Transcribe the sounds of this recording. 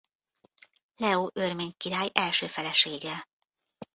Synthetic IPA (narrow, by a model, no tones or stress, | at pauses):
lɛoːʔørmeːɲkiɾaːjɛlʃøːfɛlɛʃeːɡɛ